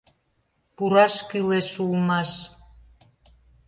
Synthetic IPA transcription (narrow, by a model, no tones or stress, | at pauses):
puɾɑʃkyleʃulmɑʃ